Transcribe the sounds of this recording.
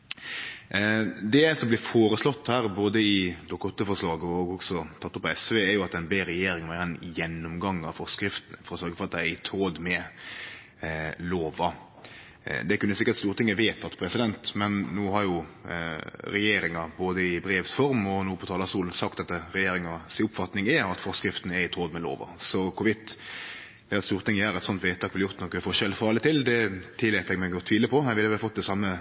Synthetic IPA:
d̪ɛsɔmblɪːfoːɾəslɔt̪ːhæːɾboːd̪əɪd̪ɔkːɔt̪ːəfɔɾʂlɑːɡɔɔɡɔksɔt̪ʰɑt̪ːʊpːɔɛsʋeːɛɾjʊɑt̪ɛɪnbeːɾɛjeːɾɪŋʋæɾɛnjɛnːʊmɡɑŋːɑfɔɾskɾɪft̪ənfɔɾɔsœɾɡəfɔɾɑt̪̚d̪æɪɪt̪ʰoːd̪mɛ | loːʋɑ | d̪ɛkʉnːəsɪkːəɾtst̪uːɾət̪ɪŋːəʋeːt̪ʰɑt̪pʰɾɛsɪd̪ɛnt̪mɛnːuːɦɑɾjʊ | ɾɛjeːɾɪŋɑboːd̪əɪbɾeːʋsfɔɾmɔnuːpʰɔt̪ʰɑːlɑsuːln̩sɑkt̪ɑt̪ːəɾɛjeːɾɪŋɑsɪʊpfɑt̪nɪŋɛɾɑt̪fɔɾskɾɪft̪n̩æɾɪt̪ʰoːd̪mɛlo̰ːʋɑ̰sɔkʰʊʋɪt̪ː | dɛɑt̪stuːɾət̪ʰɪŋːəjæɾɛt̪sɔnt̪ʋɛːt̪ʰɑːkʋɪljʊɾt̪nɔkəfɔʂɛlfɑɑlət̪ʰɪld̪ɛt̪ʰɪlɛt̪ɛɡmæɛɡɔt̪ʰʋiːləpʰɔæʋɪlːəʋɛlfɔt̪̚ːd̪ɛsɑmːə

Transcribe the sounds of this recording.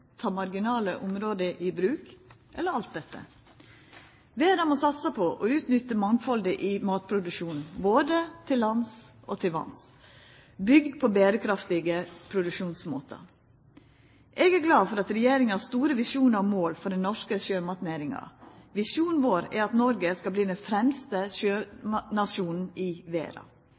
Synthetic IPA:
t̪ʰɑːmɑɾɡɪnɑːləʔʊmɾoːd̪əʔɪbɾʉːkʔɛlːəɾɑlt̪̚d̪ɛt̪ːə̰ | ʋeːd̪ɑmɔsɑt̪səpʰɔʔɔʉːt̪nʏt̪ːəmɑŋfɔld̪əʔɪmɑːt̪̚pʰɾʊd̪ʉʂuːnn̩boːd̪ət̪ʰɪlːɑns | ʔɔt̪ʰɪlʋɑ̰ns | bʏɡd̪pʰɔbeːɾəkʰɾɑft̪ɪɡəpʰɾʊd̪ʉkʃuːnsmoːt̪ʰə̰ | ʔɛɡæɾɡlɑːfɔɾɑt̪ɾɛjeːɾɪŋɑst̪uːɾəʋɪsuːnəɾɔmoːlfɔɖɛnnɔʂkəʃøːmɑt̪neːɾɪŋɑ̰ʋɪsjuːn̩ʋoːɾæ̰ɾɑt̪nɔɾɡəskɑbliːd̪ɛnfɾɛmst̪əʃøːmnɑʂuːnn̩ɪʋḛːɾɑ̰

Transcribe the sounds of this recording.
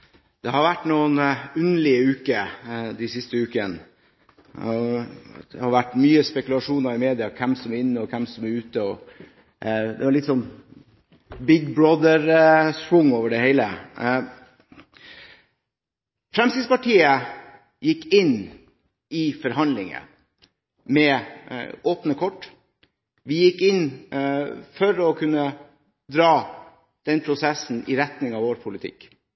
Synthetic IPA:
d̪̥ɛhɑɾʋæʈːnuːənʉnəɭɪəʉːkəd̪ɛsɪst̪əʉːkən | d̪̥ɛ̰hɑɾʋæʈːmyːəspɛkʉlɑʂuːnɑɾɪmeːd̪ɪɑkʰɛmsɔmɾɪnːəɔkʰɛmsɔmæɾʉːt̪əɔ | d̪ɛʋɑɭɪt̪sɔn | bɪɡbɹoːd̪əɾspɾʊŋːoːʋəɖɛheɪlə | fɾɛmst̪ɪd̪spɑʈʰiːə | jɪkːɪn | ɪfɔɾhɑnd̪lɪŋə̰ | mɛ | ʔoːpnəkʰɔʈː | ʋɪjɪkːɪn | fɔɾɔkʰʉnːə | d̪ɾɑː | d̪̥ɛnpʰɾʊsɛsn̩ɪɾɛt̪nɪŋɑʋoːɾpʰʊlɪt̪ʰɪ̰kː

